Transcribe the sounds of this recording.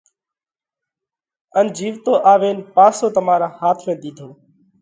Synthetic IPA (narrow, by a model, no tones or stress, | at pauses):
ənd͡ʒiːʋt̪oːʔaːʋeːnpaːsoːt̪əmaːɾãːhaːt̪ʰmẽːd̪iːd̪ʱoː